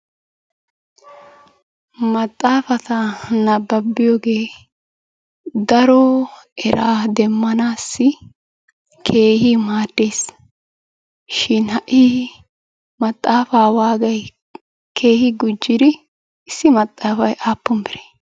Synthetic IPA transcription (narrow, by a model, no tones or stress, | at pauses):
mɐt̪ʼːaːfɐt̪ɐnɐbːɐbːɪjoːɡe̞ː | d̪ɐɾɔɛɾaːd̪ɛmːɐnaːsːɪ | kʰe̞ːhɪmaːt̪ːeːs | ʃɪnhɐʔi | mɐt̪ʼːaːfaːwaːɡɐj | kʰe̞ːhɪɡʊd͡ʒːɪd̪ɪ | ɪsːɪmɐt̪ʼːaːfɐjʔaːpːʊmbɪɾeː